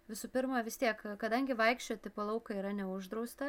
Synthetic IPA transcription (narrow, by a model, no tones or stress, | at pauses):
ʋʲɪsuːpʲɪɾmɐʋʲɪst̪ʲiɛkkɐd̪ɐŋʲɡʲɪʋɐɪkʃʲt͡ʃʲoːt̪ʲɪpolˠɐʊkɐiːɾɐnʲɛʊʒd̪ɾɐʊst̪ɐ